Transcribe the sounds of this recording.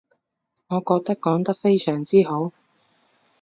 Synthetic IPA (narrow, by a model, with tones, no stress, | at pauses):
ŋɔː˨˧kɔː˧k̚t̪ɐ˥k̚kːɔː˨˥ŋt̪ɐ˥k̚fe˥jsœː˨˩ŋt͡siː˥ɦo˨˥w